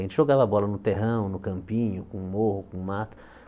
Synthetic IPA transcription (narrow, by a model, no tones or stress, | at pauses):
ẽt͡ʃɪʒoɡavabɔlɐnʊt̪eɦɐ̃w̃nʊkɐ̃mpĩɲʊkũmohʊkũmat̪ɐ̥